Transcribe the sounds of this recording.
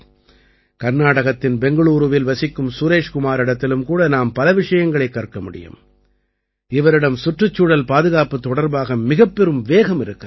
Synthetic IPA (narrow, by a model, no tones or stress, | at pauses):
kɐɾnaːɽɐɣɐt̪ːɪnbɛŋɡɐɭuːɾɯʋɪlʋɐsɪkːɯmsuːɾeːʂkʊmaːɾɪɽɐt̪ːɪlɯmkuːɽɐnaːmpɐlɐʋɪʂɐjɐŋɡɐɭɐɪkːɐrkɐmʊɽɪ̰jɯ̰m | ɪʋɐɾɪɽɐmsʊʈrɯt͡ʃːuːɽɐlpaːðɯɣaːpɯt̪ːɔɽɐɾbaːɣɐmɪɣɐpːɛɾɯmʋeːɣɐmɪɾɯkːɐ